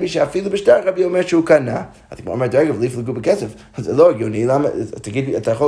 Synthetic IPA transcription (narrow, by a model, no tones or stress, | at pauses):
biʃɛafilˠubɨʃtaɹʁabiɔmɛɹʃəukana | a̰ðɡmɔ̰ɾmɛɹdɛɡəvlˠiflˠəɡubəkɛsəf | zɛlˠoaɡunilˠamə̰tʰaɡid̚iatʰajəχo